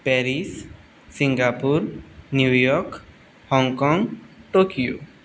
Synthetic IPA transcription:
pɛɾis | siŋɡapuɾnjujɔk | hɔŋkɔŋʈokijo̰

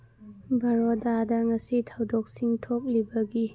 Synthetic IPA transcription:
bɐɾodadɐŋɐsitʰɐwdok̚siŋtʰok̚libɐɡi

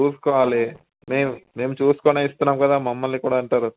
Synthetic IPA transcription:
uːsu̥kɔːʋaːli | meːmume̞ːmut͡ʃuːsu̥koːneist̪unːaːmkɐd̪aːmɐmːɐlnikuːɽaːɐɳʈaːɾu

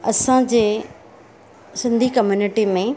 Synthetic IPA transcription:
ɐsãd͡ʑeː | sɪ̃nd̪ʱikɐmjuːnɪʈimẽ

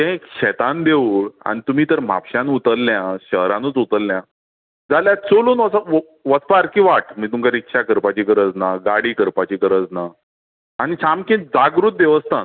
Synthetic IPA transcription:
t̪ẽkɕɛt̪ãnd̪euɭa̰ñit̪um̤iːt̪əɾm̤a̰pɕãnut̪əlːjãɕəɦɾãnət͡sut̪əlːjã | d͡zaljat͡soluːnʋəsa | ʋət͡spaɾkĩʋaʈmiːt̪umkaɾikʂakəɾpat͡ɕiːkəɾət͡snaɡaɽiːkəɾpat͡ɕiːkəɾət͡snaː | ñit͡ɕamkĩd͡zaɡɾut̪̚d̪eʋəst̪an

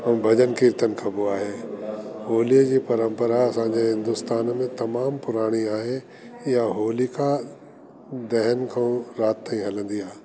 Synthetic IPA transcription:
ɐ̃bʱɐd͡ʑənkɪɾt̪ənkʰɐbuaːɦeːɦoːlijəd͡ʑiːpɐɾə̃mpəɾaɐsãːɲd͡ʑeɦɪ̃nd̪ʊst̪aːnmẽt̪ɐmaːmpʊɾaːɽ̃iaːɦe | jaɦoːlika | d̪ɛɦənkʰɐ̃ɾaːt̪ːãĩɦɐlə̃nd̪ijaː

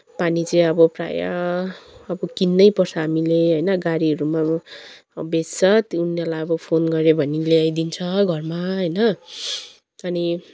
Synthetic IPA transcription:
panit͡sʌ̃jʌbʌpra̰ja̰ː | bʌkinːʌjpʌrsʰaamileɦʌjnʌɡaɾiʌɾuma | best͡sʰʌt̪unːʌrlajʌbʌpʰonɡʌɾebʱʌnileajd̪int͡sʰʌɡʱʌrmaɦʌjnʌ | ʌni

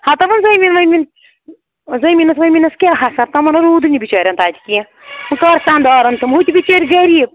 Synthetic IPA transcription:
hɐt̪ɐmɐnzɐjminʋɐmin | zɐjminɐsʋɐjmʲinɐskʲelɦasɐɾt̪ɐmɐnɐɾuːd̪ɨnʲibit͡ʃɐːɾʲɐnt̪aːt̪i̥kiẽ | ɨkɐɾsaːnd̪aːɾɐnt̪ɨmɦut̪ʲibit͡ʃɐɾʲɡɐɾib̚

